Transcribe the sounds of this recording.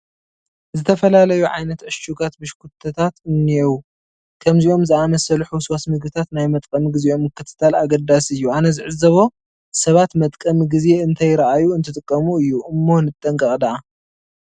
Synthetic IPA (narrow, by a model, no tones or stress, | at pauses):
zɨt̪ʰɐfɐlalɐjuʕa̰jnɐt̪ʕɨʃt͡ʃuɡat̪bɨʃkʰut̪ʰːɐt̪ʰat̪ɨnːiɛwu | kʰɐmziʔo̞mzɨamɐsɐlħuswasmɨɡbɨt̪ʰat̪najmɐt̪ʼkʼɐmɡɨzeo̞mːɨkːɨt̪ʰɨ̥t̪ʰalaɡɐd̪asɨjːuanɐzɨʕɨzɐβo̞ | sɐβat̪mɐt̪ʼkʼɐmɡɨze̞ɨnt̪ʰajɪɾɐʔajuɨnt̪ʰɨt̪ʼɨkʼːɐmuɨjːuʔɨmːo̞nɨt̪ʼːɐŋkʼɐχʼd̪ɐʔa